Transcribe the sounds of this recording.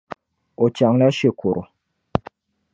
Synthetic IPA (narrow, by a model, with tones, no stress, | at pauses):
o˨t͡ʃa˨ŋla˦ʃe˦kʰo˨ɾʔo̰˨